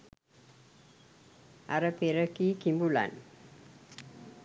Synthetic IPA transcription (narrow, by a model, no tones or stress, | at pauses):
ʔa̰ɾəpeɾəkikimbula̰n